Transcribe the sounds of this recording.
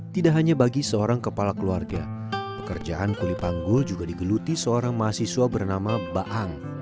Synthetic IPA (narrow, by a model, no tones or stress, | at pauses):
t̪idaʔɦaɲabaɡisəoɾaŋkəpalakəluarɡa | pəkərd͡ʒaʔankulipaŋɡʊld͡ʒuɡadiɡəlut̪isəoɾaŋmaasisuabərnamabaʔaŋ